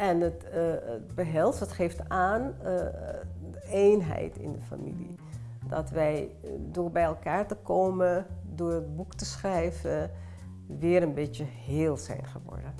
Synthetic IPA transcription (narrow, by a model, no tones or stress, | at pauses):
ɛnətət̚bəɦɛlˠsʋɑtχeftaːn | dəeːjnɦɛ̰jtʰɪ̰ndəfa̰mḭlḭ | dɑ̰tʋɛjdoːɹbɛjɛlˠkaːɹtəkoːmədʊːɹət̚buktəsχrɛjvə | ʋɪːɾənbɪtjəheːlˠsɛ̰jnχəʋɔ̰ɹdən